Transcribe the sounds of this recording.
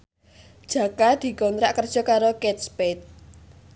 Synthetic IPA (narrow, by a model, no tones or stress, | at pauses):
d̥ʒ̥ä̤kad̪̥i̤kɔnt̪ɾaʔkərdʒ̥ɔ̤kaɾokɛt̪̚spɛt̪̚